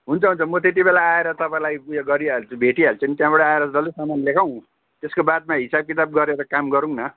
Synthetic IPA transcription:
ɦunt͡sʰʌɦunt͡sʰʌmʌt̪et̪̬ibelaːeɾʌt̪ʌpãĩlajjoɡʌɾialt͡sbʱeʈiɦalt͡sʌnit̪jãbʌɽʌaeɾʌsd̪ʌlusamanlekʰaw̃ | t̪eskobad̪̚maɦisab̚kit̪ab̚ɡʌɾeɾʌkamɡʌɾuŋnʌ

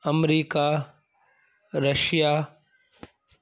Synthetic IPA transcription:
əmɾiːkaː | ɾəʃjaː

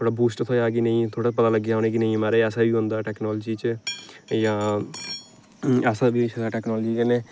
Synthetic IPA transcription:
t̪ʰoːɽaːbuːsʈt̪ʰoːjaːɡiːnəĩːt̪ʰoːɽapət̪aːləɡeaoñeːkinəĩːmaːɾeːɛːsaːbiːɦõnd̪aːʈɛːknɔːld͡ʒiːt͡ʃ | jãː | ɛːsabiːsʰəɡaːʈɛːknɔːld͡ʒiːkəneː

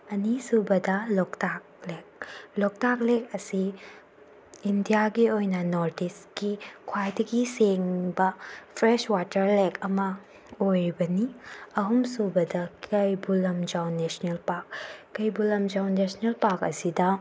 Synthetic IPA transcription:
ɐnisubɐdɐlɔktak̚lek̚lɔk̚tak̚lek̚ɐsi | ndijaɡiojnɐnoɾdiskikʰwajdɐɡiseŋbɐpʰɾeswatɐɾlekʰɐmɐ | ojɾibɐniɐɦumsubɐdɐkʰɐjbulɐmd͡ʒawnesnelpaɾk̚ːɐjbulɐmd͡ʒawnnːesnelpaɾkɐ̰sidɐ

